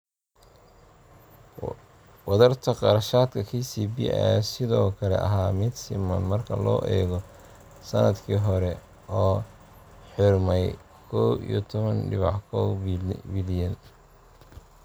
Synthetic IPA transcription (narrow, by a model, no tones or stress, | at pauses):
wɑðɐrt̪ʰɐqɑɾɐʃaːd̪kʰɐkʰiːsiːbij̰ɛ̰sɪðɔːkʰɐlɛ̰ʔɐ̰ɦaːmɪd̪sɪmɐnmɐrkʰɐlɔ̰ːʔɛːɣɔ | sɐnɐd̪kʰiːɦɔɾɛ | ɔː | ħɪrmɛj | kʰɔwʔḭjɔt̪ʰɔβɐnɖɪβɑħkʰɔwbɪljɐn